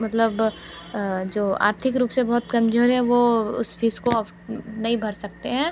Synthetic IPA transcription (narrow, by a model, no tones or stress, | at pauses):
mɐt̪ləb | d͡ʒoːa̰ːɾt̪ʰɪkɾuːpsebɐɦʊt̪kɐmd͡ʒoɾɦɛ̃ʋoʊ̰sfiːskoɔf | nɐɦĩbʱɐɾsɐk̚t̪eɦɛ̃ː